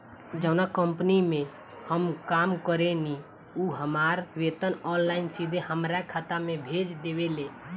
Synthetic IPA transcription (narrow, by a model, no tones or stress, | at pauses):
d͡ʒəʊnakəmpnimẽ | həmkamkəɾeni | uɦəmaɾʋet̪ənɔnlaɪnsid̪ʱehəmɾakʰat̪amebʱed͡ʒd̪eʋele